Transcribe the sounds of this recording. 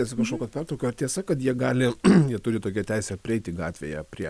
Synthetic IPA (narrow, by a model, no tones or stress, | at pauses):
ɛsʲɐkɐʃkoːkʲoɐt̪pʲɛrt̪ɾoʊkʲoːɐɾt̪ʲiɛsɐkɐt̪jiɛɡɑːlʲɪjiɛt̪ʊɾʲɪt̪oːkʲɛt̪ʲɛɪsʲɛpʲɾʲɪɛɪt̪ʲɪɡɑːt̪ʲʋʲḛːjɛpʲɾʲiɛ